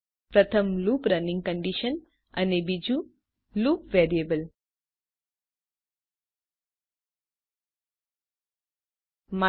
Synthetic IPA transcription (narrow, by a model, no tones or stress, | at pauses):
pɾɐt̪ʰəmluːpɾɐnĩŋɡ̚kə̃ɳɖiʃən | ɐ̰nebid͡ʒũ | luːpʋeɾiebəl | ma